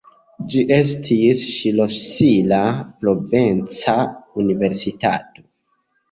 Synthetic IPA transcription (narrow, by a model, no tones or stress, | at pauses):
d͡ʒiʔe̞s̬tʰisʃilo̞silapɾo̞vent͡saunive̞ɾsita̰to̞̥